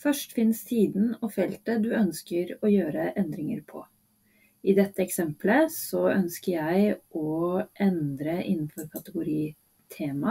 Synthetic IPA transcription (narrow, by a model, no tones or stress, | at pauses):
fœʂʈfɪnːst̪ʰiːd̪n̩ɔfɛlt̪əd̪ʉœnskəɾɔjøːɾəʔɛnd̪ɾɪŋəɾpʰɔ̰ | ɪd̪ɛt̪ːəɛksɛmpləsɔœnskəɾjæɪʔɔʔɛnd̪ɾəʔɪnːn̩fɔɾkʰɑt̪əɡʊɾiː | t̪ʰeːmɑ